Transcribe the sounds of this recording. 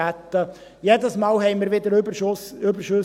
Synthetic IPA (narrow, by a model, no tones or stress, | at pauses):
æt̪ːə | jɛd̪əsmɑːlhɛɪmɪɾʋɪd̪əɾbsʏbəɾʃø